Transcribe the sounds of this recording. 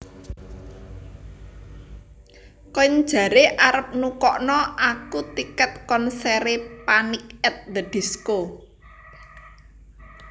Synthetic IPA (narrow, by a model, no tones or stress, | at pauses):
kɔɲd̥ʒ̥ä̤ɾeʔaɾəp̚nukɔʔnɔʔakut̪ikət̪̚kɔnsɛɾepanik̚ɛt̪̚d̪əd̪̥i̤sko